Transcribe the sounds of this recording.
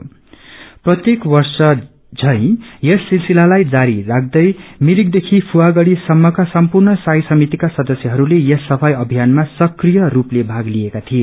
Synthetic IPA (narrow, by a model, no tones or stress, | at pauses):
prʌt̪jekwʌrsʌ | d͡zʱʌ̃j̃jʌsːilsilalajd͡zaɾirak̚ʰd̪ʌjmilik̚d̪ekʰipʰuwaɡʌɽisʌmːʌkasʌmpurnʌsajsʌmit̪ikasʌd̪ʌsjʌɦʌɾulejʌsːʌpʰajʌbʱijanmasʌkrijʌruplebʱaɡliekat̪ʰie